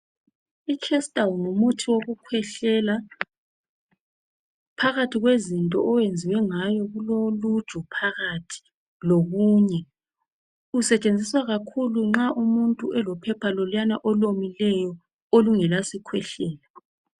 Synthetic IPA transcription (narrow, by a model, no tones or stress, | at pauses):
ikʰɛsd̥awnumutʰiwoɣukʰwɛɬɛla | pʰaɣatʰiɣwezintʼɔ̰ʔɔwend͡zʱiwɛŋajɔɣulolu̥ʒ̥ʱʼɔpʰaɣatʰi̥ | loɣuːɲɛ | usɛt͡ʃʼend͡zʱiswaɣakʰuluŋ͡ǁaʔumuntʼuɛlɔpʰɛpʰalɔlwjanaʔɔlomilɛjɔ | oluŋɛlasikʰwɛɬɛːla